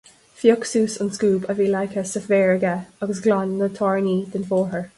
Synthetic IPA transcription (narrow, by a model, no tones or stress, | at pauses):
fjɔksuːsənskuːbəviːlajkʰəsəfvɛːɹəɡaəɡəsɡlanːət̪ʰɔɹniːd̪̥ənfɔːɹɦəɹ